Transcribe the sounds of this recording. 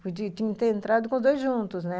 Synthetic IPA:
pod͡ʒit̪ĩɲɐ̃t̪eẽnt̪ɾad̪ʊkõzd̪ojzʒũnt̪ʊznɛ

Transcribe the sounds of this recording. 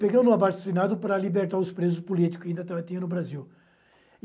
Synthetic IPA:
peɡɐ̃w̃nʊabaɾt̪senad̪ʊpɾɐlibeɾt̪aɾʊspɾezʊspulit̪i̥kʊsaĩnd̪ɐt̪avɐt̪ĩɲɐnʊbɾaziw

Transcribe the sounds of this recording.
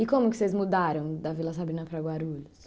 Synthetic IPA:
ɪkõmʊkɪ̥sezmud̪aɾɐ̃w̃d̪ɐvilɐs̬abɾĩnɐpɾɐɡwaɾuʎʊs

